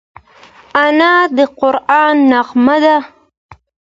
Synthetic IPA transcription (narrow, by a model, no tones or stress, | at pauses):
anɑd̪əqʊɾɑːnːaqmad̪a